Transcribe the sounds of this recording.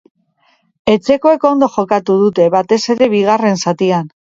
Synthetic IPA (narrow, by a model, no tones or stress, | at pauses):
e̞t͡se̞ko̞e̞ko̞nd̪o̞xo̞kat̪uð̞ut̪e̞βat̪e̞se̞ɾe̞βiɣ̞are̞nsat̪ian